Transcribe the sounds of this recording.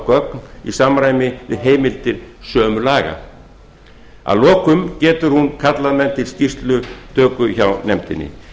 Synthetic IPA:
kœknisaːmɾaːjmɪvɪ̰ðɦeːjmɪlt̪ɪɾ̥sœːmʏlaːɣa̰ | a̰ðlɔːkʏmcɛːt̪ʏɾ̥hunkʰat̪laðmɛnt̪ʰɪlscist̪lʏt̪ʰœːkʏçawnɛmt̪ɪnːɪ̰

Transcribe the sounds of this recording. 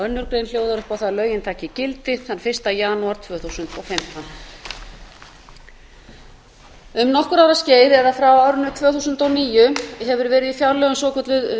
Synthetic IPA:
œnːʏɾkɾejnljoːwðaɾʏhpawθaðlœːɥjɪnt̪ʰaːcɪcɪlt̪ɪθanfɪr̥st̪ajaːnuaɾt̪ʰvœːθusʏnt̪ɔfɪm̥ht̪an | ʏmnɔhkʏɾaːwɾasceːjðɛðafɾawawɾnʏt̪ʰvœːθusʏnt̪ɔwniːjʏɦɛvʏɾvɛːɾɪðifjawɾlœɣʏmsɔːkʰœt̪lʏ

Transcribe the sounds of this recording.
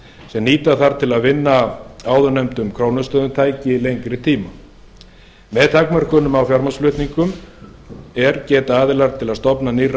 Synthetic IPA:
sɛmniːt̪aθaɾ̥t̪ʰɪlaðvɪnːaaːwðʏnejmt̪ʏmkʰɾownʏst̪œːðʏmt̪ʰaːjcɪlejŋkɾɪt̪ʰiːma | mɛðt̪ʰakmœr̥kʏnʏmawfjaɾmasflʏht̪niŋkʏm | ɛɾcɛːt̪aaːðɪlaɾt̪ʰɪlaðst̪ɔpnaniːr

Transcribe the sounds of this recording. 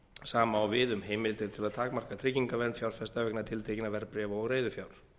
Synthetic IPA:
saːmaːwvɪðʏmɦeːjmɪlt̪ɪɾ̥t̪ʰɪlaðt̪ʰaːkmar̥kat̪ʰɾɪciŋkavɛnt̪fjawɾ̥fɛst̪avɛknat̪ʰɪlt̪ʰejcɪnavɛɾpɾɛːvaɔɣreːjðʏfjawɾ̥

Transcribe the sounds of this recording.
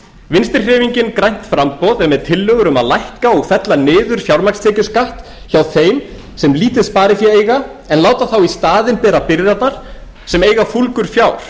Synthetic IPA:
vɪnst̪ɪɾrr̥ɪːviɲcɪnkɾajn̥t̪fɾampɔðɛmɛðt̪ʰɪlːœːɣʏɾʏmaðlajhkaɔɣfɛt̪lanɪːðʏɾ̥fjawɾmakst̪ʰɛːcʏskaht̪ | çawθeːjm | sɛmliːt̪ɪðspaːɾɪθjɛeːjɣa | ɛnlaːwt̪aθawist̪aːðɪnpɛːɾapɪɾðat̪naɾ̥ | sɛmeːjɣafulkʏɾ̥fjaːwɾ̥

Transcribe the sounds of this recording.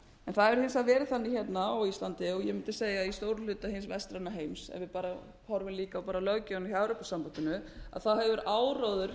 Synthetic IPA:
ɛnθaðɛɾ̥hɪnsaðvɛːɾɪθanːɪçɛt̪naɔɣist̪ant̪ɪɔɣjɛmɪnt̪ɪseːjaist̪oːwɾʏlʏːt̪ahɪnsvɛst̪ɾanːaɦejmsɛ̰nvɪðpaːɾa | hɔɾvɪmliːkawpaːɾalœɣcɪanɪçjawɾʏpɔsampat̪ɪnʏa̰ðθaðhɛvʏɾaːwroðʏɾ̥

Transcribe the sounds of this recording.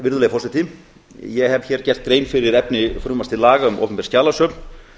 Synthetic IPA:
vɪɾðʏleːɣfɔsat̪ʰi | jɛhɛv̥çɛːɾ̥cɛr̥t̪̚ɡɾeːjmfɪɾɪɾɛpnɪfɾʏmast̪ʰɪlaːɣaʏmo̰wpɛmpɛɾ̥scaːlasœːpn

